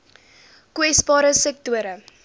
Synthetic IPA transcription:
kwɛsbɑːɾəsɛk̚tuəɾə

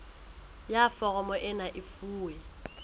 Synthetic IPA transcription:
jafɔɣɔmɔʔɪnaʔɪfuːɛ

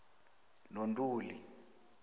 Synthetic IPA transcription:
nontʼuːli

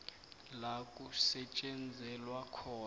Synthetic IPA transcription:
lakʼusɛt͡ʃʼɛnd͡zʱɛlwakʰɔː

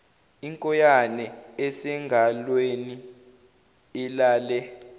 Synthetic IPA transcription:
iŋkʼɔjanɛɛsɛŋɡʱalweni | ɛlaːlɛ

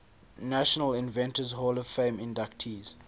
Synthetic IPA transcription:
naʃənəlɪ̃nvɛ̃ntəzɦolɔv̥fẽɪ̃mɪ̃ndak̚tʰiːz̥

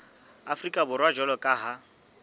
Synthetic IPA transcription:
afrikʼabʊrwad͡ʒɔlɔkʼaɦa

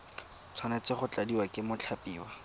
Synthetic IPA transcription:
t͡sʰwanɛt͡sɪχʊt͡ɬadiwakɪmʊt͡ɬʰapiːwa

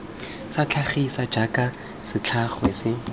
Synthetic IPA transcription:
sat͡ɬʰaχisḁd͡ʒakʼa | sɪt͡ɬʰaχwesɪ

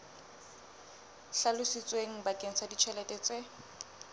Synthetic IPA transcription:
ɬalʊsit͡sʼweŋ̩bakʼeŋ̩sʰadit͡ʃʰɛlɛtʼɛt͡sʼe

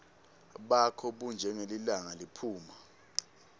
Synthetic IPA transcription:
ɓakʰɔɓund͡ʒʱɛŋelilaŋalipʰuːma

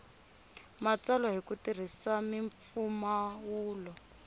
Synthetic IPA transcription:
mat͡salɔɦikutir̤isamiɱfumawuːlɔ

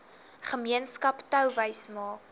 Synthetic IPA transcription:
χəmiənskɐptœwvəjsmɑːk

